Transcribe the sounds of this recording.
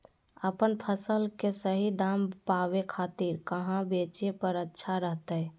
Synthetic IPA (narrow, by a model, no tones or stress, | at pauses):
əpənpʰəsəlkesəɦid̪ampabekʰat̪iɾkəɦãbet͡ʃepəɾətːʃʰaɾəɦt̪əj